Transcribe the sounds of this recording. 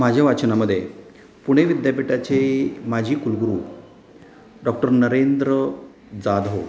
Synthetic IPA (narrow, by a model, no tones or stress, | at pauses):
mad͡ʑʱjaʋat͡ɕnaməd̪ʱːje | puɽ̃eʋid̪japiʈat͡ɕemad͡ʑʱiːkulɡɾuː | ɖɔk̚ʈəɾnəɾend̪ɾə | d͡zad̪ɦo